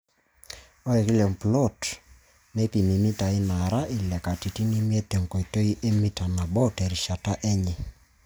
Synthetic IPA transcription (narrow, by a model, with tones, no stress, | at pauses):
o˦ɛ˨ki˦lɛ˨mplɔ˦˨t | ne˦pi˨mi˨mi˦ta˨i˦na˨ɾa˦ʔi˨lɛ˨ka˨ti˨ti˦ni˦mi˦ɛ˦t̪ɛ˨ŋ˨ko˨i˨to˦i˦ʔe˦mi˦ta˨na˨bɔ˦tɛ˨ɾi˨ʃa˨ta˦ʔɛ˦ɲɛ˨